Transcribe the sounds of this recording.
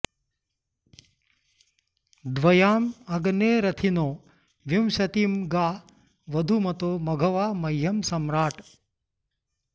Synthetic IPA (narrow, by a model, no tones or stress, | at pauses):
d̪ʋɐjaːmɐɡneːɾɐt̪ʰinoː | ʋjumʃɐt̪iːmɡaː | ʋɐd̪ʱumɐt̪oːmɐɡʱɐʋaːmɐjɦɐmsɐmɾaːʈ